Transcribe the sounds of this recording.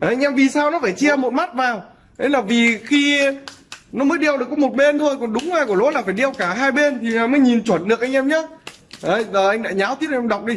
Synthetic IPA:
a˧jŋ̟ʔɛ˧mvi˨˩saː˧wnɔ˨˦faː˧˩jt͡ɕi˧əmo˨˩t̚ma˦˥t̚vaː˨˩w | ɗe˨˦laː˨˩vi˨˩xi˧ | nɔ˨˦məː˨˦jɗi˧əwɗɨ˨əkːɔ˨˦mo˨˩t̚ɓe˧nt̪ʰo˧jkɔ˨˩nɗʊ˨˦ŋ͡maː˨˧jku˧˩əlo̰˧˥laː˨˩faː˧˩jɗi˧əwkaː˧˩ɦaː˧jɓe˧nt̪ʰi˨˩aː˨˩məː˨˦jɲi˨˩nt͡ɕwə˧˩nɗɨ˨ək̚a˧jŋ̟ʔɛ˧mɲaː˨˦ | ʔə˨˦jzəː˨˩ʔa˧jŋ̟la̰ː˧˨jɲaː˨˦wt̪ʰi˦˥t̚ʔɛː˧ɗwk͡p̚ɗi˧

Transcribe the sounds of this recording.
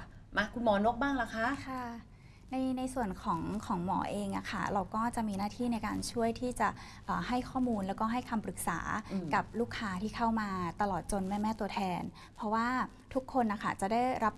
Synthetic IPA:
ma˦˥kʰu˧nmɔː˩˦no˦˥k̚baː˥˩ŋla˨˦˥kʰa˦˥ʔkʰa˥˩ | na˧jna˧jsu˨˩ənkʰɔː˩˦ŋkʰɔː˩˦ŋmɔ̰ː˩˦ʔeː˧ŋʔa̰˨˩xʰa̰˥˩ɾa˧wkɔː˥˩t͡ɕa˨˩ʔmiː˧naː˥˩t̪ʰiː˥˩na˧jkaː˧nt͡ɕʰu˥˩əjt̪ʰiː˥˩t͡ɕa˨˩ | ʔɤː˨˩ha˥˩jkʰɔː˥˩muː˧nlɛ˦˥wkɔː˥˩ɦa˥˩jkʰa˧mpɾɯ˨˩k̚sa̰ː˩˦ka˨˩p̚luː˥˩kʰːaː˦˥t̪ʰiː˥˩kʰa˥˩wmaː˧t̪a˧lɔː˨˩t̪̚t͡ɕo˧nmɛː˥˩mɛː˥˩t̪u˧ɐt̪ʰɛː˧n | pʰɾɔ˦˥waː˥˩ | t̪ʰu˦˥kʰːo˧nʔa˨˩kʰa˥˩t͡ɕa˨˩da˥˩jɾa˦˥p̚

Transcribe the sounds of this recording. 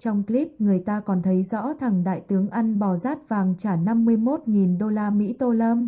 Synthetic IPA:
t͡ɕɔ˧wŋ͡mkli˦˥p̚ŋɨ˨˩əjt̪aː˧kɔ˨˩nt̪ʰə˨˦jzɔ̰˧˥t̪ʰa˨˩ŋɗa̰ː˧˨jt̪ɨ˨˦əŋʔa˧jŋɓɔ˨˩zaː˦˥t̚vaː˨˩ŋt͡ɕaː˧˩na˧mːɨ˧əjmo˦˥t̚ŋi˨˩nɗo˧laː˧mḭ˧˥t̪o˧ləː˧m

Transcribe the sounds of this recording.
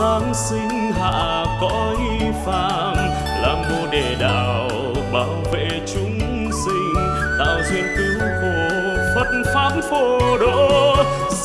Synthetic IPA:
aː˨˦ŋsï˧ŋ̟ | ɦa̰ː˧˨˧kɔ˨˦ʔi˧fa̰ː˧˨ | m | laː˧˩ŋmo˧ɗe˧˩ɗa̰ː˧˨ | w | ɓaː˨˧˦wvḛ˧˨t͡ɕʊ˨˧˦ŋ͡m | sï˧ŋ̟ | t̪a̰ː˧˨wzwḭ˧ənt̪ɨ˨˦wwku˧˨˩ə | fə˦˥t̚nfaː˨˦˥mfo˧˩ɗo˧˥

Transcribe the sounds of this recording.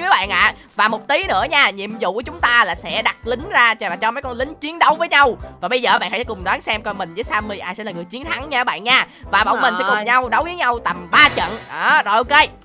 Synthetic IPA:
ɨ˨˦ɓa̰ː˧˨nʔa̰ː˧˨ | vaː˨˩mo˨˩t̚t̪i˨˦nɨ̰˧˥əɲaː˧˩ɲḭ˧˨əmzṵ˧˨ku˧˩˦t͡ɕʊ˨˦ŋ͡mt̪aː˧laː˨˩sɛ̰˧˥ɗa˨˩t̚lï˨˦ŋ̟zaː˧aː˨˩t͡ɕɔ˧mə˨˦jkɔ˧nlï˨˦ŋ̟t͡ɕi˨˦ənɗə˧˦wvəː˨˦jɲa˧wvaː˨˩ɓə˧jzəː˨˩˨ɓa̰˧˨nha˧sɛ˧˥kʊ˨˩ŋ͡mɗɔaː˨˦nsɛ˧mkɔ˧nmï˨˩ŋ̟zɨː˨˦jsaː˧mi˧ʔaː˧jsɛ̰˧˥la˨˩ŋɨ˨˩əjt͡ɕi˨˦ənt̪ʰa˨˦ŋɲaː˧˨˦ɓa̰ː˧˨nɲaː˧˩ | vaː˨˩ɓə̰˧wŋ͡mmi˨˩ŋ̟sɛ̰˧˥kʊ˨˩ŋ͡mɲa˧wɗə˨˦wzi˨˦ɲa˧wt̪a˨˩mɓaː˧t͡ɕə̰˧˨nʔaː˨˩zɔ˨˩jʔo˧wke˧

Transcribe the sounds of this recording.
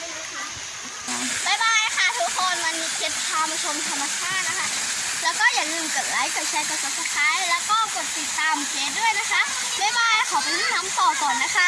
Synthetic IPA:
a˧˥ | ʔɔː˨˩ma˧˩jwaː˧ja˦kʰa˦˥˩t̪ʰu˦˥kʰoː˧nma˧ni˧kʰe˦˥p̚tʰaː˧ma˧t͡ɕʰo˧mt̪ʰa˧mːa˧t͡ɕʰaː˥˩t̪̚na˦˥kʰa˦˥lɛː˦˥wkɔː˥˩jaː˨˩ŋlɯː˧˩mkaː˨˩t̪̚la˨˦˥jkaː˨˩p̚t͡ɕʰa˧jka˧˩so˨˩t̪̚su˨˩t̪ʰːaː˨˦˥jlɛː˦˥wkɔː˥˩ko˨˩t̪̚ːi˨˩t̪ːaː˧mkʰeː˦˥t̪̚du˥˩əjna˦˥kʰa˦˥ʔ | ma˥˩jwaː˧ja˧˦˩kʰa˨˦wpa˧jmʰiː˥˩naː˦˥mt̪ɔː˨˩kɔː˨˩nːa˦˥kʰa˦˥

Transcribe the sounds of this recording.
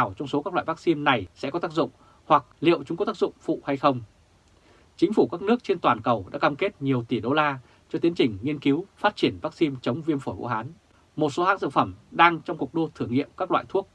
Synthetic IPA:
a˨˩wt͡ɕɔ˧wŋ͡mso˨˦kaː˦˥k̚la̰ː˧˨va˦˥k̚si˧nna˨˩jsɛ̰˧˥kɔ˨˦t̪aː˦˥k̚zʊ̰˧˨ŋ͡m | hwa˨˩k̚lḭ˧˨əwt͡ɕʊ˨˦ŋ͡mkɔ˨˦t̪aː˥kzʊ̰˧˨ŋ͡mfṵ˧˨ha˧jxə˧wŋ͡m | t͡ɕï˨˦ŋ̟fu˧˩kaː˦˥k̚nɨ˦˥ək̚t͡ɕe˧nt̪waː˨˩nkə˨˩wɗa̰ː˧˥kaː˧mke˦˥t̚ɲi˨˩əwt̪i˧˩ɗo˧laː˧ | t͡ɕɔ˧t̪i˨˦ənt͡ɕï˨˩ŋ̟ŋi˧ənki˨˦wfaː˦˥t̚t͡ɕi˧˩ənvaː˦˥k̚si˧mt͡ɕə˨˦wŋ͡mvi˧ənfo˧˩jvṵ˧˥ɦaː˨˦n | mo˨˩t̚so˨˦haː˨˦˥nsɨ̰˧˨ŋfə˧˩mɗaː˧ŋt͡ɕɔ˧wŋ͡mku˨˩ək̚ɗo˧t̪ʰɨ˧˩əŋḭ˧˨əmkaː˦˥k̚la̰ː˧˨jt̪ʰu˦˥ək̚

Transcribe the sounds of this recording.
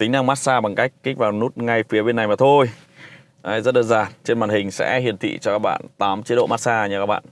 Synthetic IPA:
t̪i˨˦ŋ̟ɗa˧ŋmaː˦˥t̚saː˧ɓa˨˩ŋka˦˥jk̚ki˦˥k̟̚vaː˨˩wnu˦˥t̚ŋa˧jfi˨˦əɓe˧na˨˩jmaː˨˩t̪ʰo˧j | ʔa˨˦jzə˦˥t̚ɗəː˧˩nzaː˨˩nt͡ɕe˧nmaː˨˩nhï˨˩ŋ̟sɛ̰˧˥hi˨˩ənt̪ʰḭ˧˨t͡ɕɔ˧kaː˦˥k̚ɓa̰ː˧˨nt̪aː˨˦mt͡ɕi˨˦tɗo̰˧˨maː˦˥t̚saː˧ɲa˧˩kaː˦˥k̚ɓa̰ː˧˨n

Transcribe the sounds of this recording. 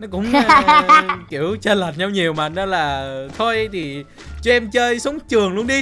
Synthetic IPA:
nɔ˨˦kʊ̰˧˥ŋ͡mŋ͡m | ki˧˩əwt͡ɕəː˧lə˨˩t̚ɲa˧wɲi˨˩əwma̰˨˩nə˧laː˨˩t̪ʰo˧jʔjt̪ʰi˨˩ | t͡ɕɔ˧ʔɛ˧mt͡ɕəː˧jso˨˦wŋ͡mt͡ɕɨ˨˩əŋlu˧əŋɗi˧

